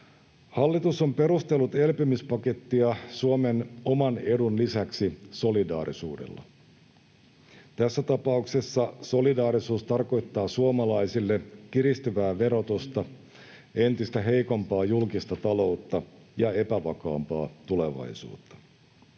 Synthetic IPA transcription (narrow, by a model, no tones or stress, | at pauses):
hɑlːit̪uso̞mpe̞ɾust̪e̞lːut̪e̞lpymyspɑke̞t̪ːiɑsuomeno̞mɑne̞dunlisæksiso̞lidɑ̰ːɾisuːdḛlːɑ̰ | t̪æsːæt̪ɑpɑukse̞sːɑso̞lidɑːɾisuːst̪ɑrko̞jt̪ːɑːsuomɑlɑjsilːekiɾist̪yʋæːʋe̞ɾo̞t̪ust̪ɑ | e̞nt̪ist̪æɦe̞jkompɑːjulkist̪ɑt̪ɑlo̞ut̪ːɑ | jɑe̞pæʋɑkɑ̰ːmpɑ̰ːt̪ule̞ʋɑ̰jsṵːt̪ːɑ̥